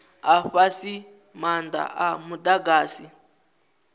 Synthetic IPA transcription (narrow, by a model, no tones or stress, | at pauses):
aɸasi | manda̰ʔamudaɡaːsi